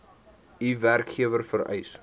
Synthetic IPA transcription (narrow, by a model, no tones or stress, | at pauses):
iværkχiəvərfəɾœ̰js